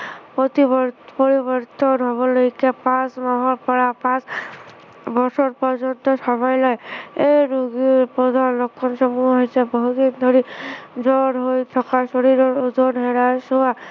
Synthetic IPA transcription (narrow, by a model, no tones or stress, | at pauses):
pɔt̪ibpɔɾibɔɾt̪ɔnɦɔβɔlojkepãsmaɦɔɾpaɽapãt͡ʃ | bɔɾsɔɾpɔɾd͡ʒɔnt̪ɔsɔmajlɔjeɾuɡpɾɔd̪ʱanlɔkʰːɔnsɔmuɦɔjsʰebɔɦud̪ind̪ʱɔɾid͡ʒɔɾɦojt̪ʰɔkasɔɾiɾɔɾud̪ʱɔnɦeɽasowa